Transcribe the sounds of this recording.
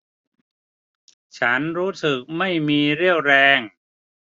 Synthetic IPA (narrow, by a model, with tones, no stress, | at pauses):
t͡ɕʰa˦˥nɾuː˦˥sɯ˨˩k̚ma˥˩jmiː˧ɾi˥˩əwɾɛː˧ŋ